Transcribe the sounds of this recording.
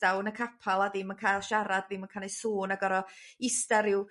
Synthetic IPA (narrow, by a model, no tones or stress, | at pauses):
awnəkʰapʰalˠaðɪmənkʰajlˠʃaɾadðɪmənkʰanesuːnaɡɔɾɔɪstaɾɪw